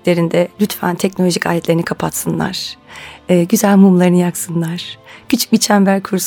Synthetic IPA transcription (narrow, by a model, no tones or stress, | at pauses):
lʲe̞ɾind̪ɛlʲyt̪fæ̰nt̪ʰɛcnolʲoʒicʰaːjʲɛt̪lʲe̞ɾinikʰapʰat̪sɯnlˠa̰ɾ̥ː | ɟyzælʲmumlˠaɾɯnɯjaksɯnlˠaɾ̥cʰyt͡ʃʰy̥c̚bit͡ʃʰæmbæɾkʰuɾs